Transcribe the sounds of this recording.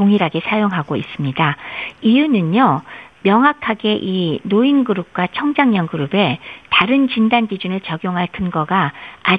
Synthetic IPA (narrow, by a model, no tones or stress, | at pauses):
oŋiɾaɡe̞sʰajoŋɦaɡois͈ɯmɲidaijunɯnːʌmjʌŋɦakʰaɡe̞ʔinoinɡɯɾup̚k͈wat͡ɕʰʌŋd͡ʑaŋɲʌnɡɯɾube̞taɾɯnt͡ɕindanɡid͡ʑunɯɭt͡ɕʌɡjoŋɦaɭkʰɯnɡʌɡaː